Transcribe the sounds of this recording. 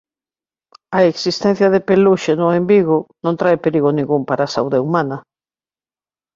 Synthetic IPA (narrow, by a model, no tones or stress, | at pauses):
ɐeksist̪ɛn̟θjɐðepeluʃenoembiɣʊnõnt̪ɾaepeɾiɣonĩŋɡumpaɾaːsauðeumanɐ